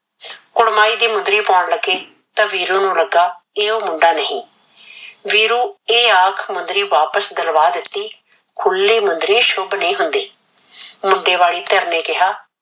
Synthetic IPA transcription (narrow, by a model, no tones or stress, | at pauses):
kʊɽmaːiːd̪iːmʊnd̪ɾiːpaːɳləɡeː | t̪ãːʋiːɾuːnũːləɡaːeːoːmʊɳɖaːnəɦĩː | ʋiːɾuːeːaːkʰmʊnd̪ɾiːʋaːpəsd̪əlʋaːd̪ɪt̪ːiː | kʰʊlːiːmʊnd̪ɾiːʃʊbnĩːɦʊnd̪iː | mʊɳɖeːʋaːɽiːt̪əɾneːkɪɦaː